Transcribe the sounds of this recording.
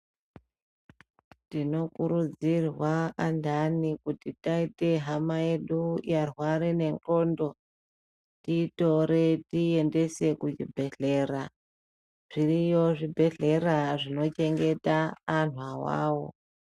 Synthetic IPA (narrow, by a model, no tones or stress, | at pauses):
tino̞kuɾud͡zirwaandanikutitaite̞ɦamaje̞ɗujarwaɾine̞ŋko̞ːndo̞ | tiːto̞ɾe̞tiende̞se̞kud͡ʒḭbʱe̞ɮe̞ra | ʐ̥irijoʐibʱe̞ɮe̞raʐino̞t͡ʃe̞ŋɡe̞taːn̤uawa̰ːwo̞̰